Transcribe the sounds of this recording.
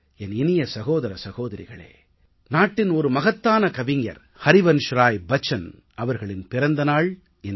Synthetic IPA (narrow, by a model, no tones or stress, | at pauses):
ɛnɪnɪjɐsɐɣoːðɐɾɐsɐɣoːðɐɾɪ̰ɣɐ̰ɭḛː | naːʈːɪnɔɾɯmɐɣɐt̪ːaːnɐkɐʋɪŋjɐ̰ɾ | hɐɾɪʋɐnʃɾaːjbɐt͡ʃːɐn | ʔɐʋɐɾɣɐɭɪnpɪɾɐnd̪ɐnaːɭ | ɛn